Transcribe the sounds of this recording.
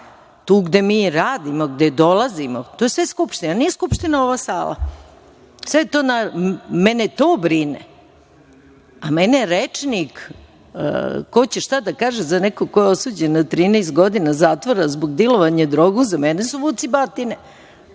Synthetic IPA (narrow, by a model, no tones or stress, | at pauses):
t̪uːɡd̪e̞miːɾaːd̪imo̞ɡd̪ed̪o̞lˠazimot̪oːjesʋeskupʃt̪inanijeskupʃt̪inao̞ʋaːsaːla̰ | sʋet̪oːnamenet̪oːbɾinḛ | ameneɾet͡ʂnikː | ko̞t͡ɕeʃt̪ad̪akaːʒezanekoko̞jeosuːd͡ʑenːat̪ɾiːnɛest̪ɡo̞d̪inazat̪ʋoɾazboɡd̪iloʋaɲad̪ɾoɡuzamenesuʋut̪sibat̪ine